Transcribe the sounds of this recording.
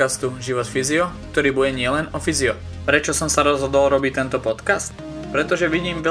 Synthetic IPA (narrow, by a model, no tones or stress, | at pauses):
ast̪uʒiʋɔt̪fiziɔk̚t̪ɔɾiːbujɛɲɪɛlɛnɔfiziɔ | pɾɛt͡ʃɔsɔmsaɾɔzɦɔd̪ɔlɾɔbic̚t̪ɛnt̪ɔpɔt̪kast̪ | pɾɛt̪ɔʒɛʋiɟiːmʋɛ